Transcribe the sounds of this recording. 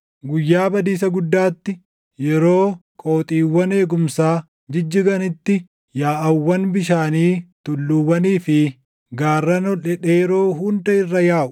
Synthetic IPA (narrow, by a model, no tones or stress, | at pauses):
ɡʊjːaːbɐd̪iːs̬ɐɡʊd̪ːaːt̪ːɪ | jɛɾo̞ːkʼoːt̪ʼiːwːɐne̞ːɡʊmsaː | d͡ʒɪd͡ʒːɪɡɐnɪt̪ːɪ | jaːʔɐwːɐnbɪʃaːniːt̪ʊlːuwːɐniːfɪ | ɡaːrːɐnɔlɛᶑeːjɛɾo̞ːɦʊnd̪ɐɪrːɐjaːʔʊ̥